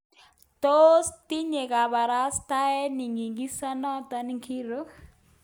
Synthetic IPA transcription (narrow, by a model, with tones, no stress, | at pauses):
t̪ost̪i˦ɲe˨ka˨ba˨ɾast̪a˦ɛ˦ni˨ŋɡi˨ŋɡi˦sa˦nɔ˦t̪aniŋkʰi˦ɾo